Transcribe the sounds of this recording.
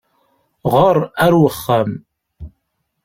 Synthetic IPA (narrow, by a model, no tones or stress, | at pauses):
ʁəɾˤæɾwəχːæm